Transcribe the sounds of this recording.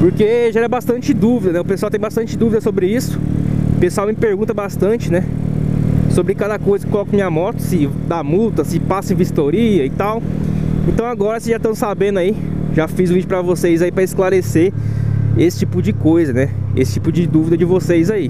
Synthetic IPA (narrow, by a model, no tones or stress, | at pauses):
poɾkeʒaɛɾɐbast̪ɐ̃t͡ʃɪd̪uvid̪ɐnɛʊpeswawt̪ẽj̃bast̪ɐ̃t͡ʃɪd̪uvid̪ɐsobɾɪisʊ̥pesuawmɪpeɾɡũnt̪ɐbast̪ɐ̃t͡ʃɪnɛ | sobɾɪkad̪ɐkojzɐkɪkolɔkɐmĩɲɐmɔt̪ʊ̥sɪd̪amut̪ɐsɪpasɐẽvist̪oɾiɐɪt̪awẽnt̪ɐ̃w̃aɡɔɾɐsɪʒat̪ɐ̃w̃sabẽnd̪ʊai | ʒafizʊ̃vid͡ʒʊpɾɐvosejzaipɾɐɪsklaɾese | esɪ̥t͡ʃipʊd͡ʒɪkojzɐnɛḛsɪ̥t͡ʃipʊd͡ʒɪd̪uvid̪ɐd͡ʒɪvosejzai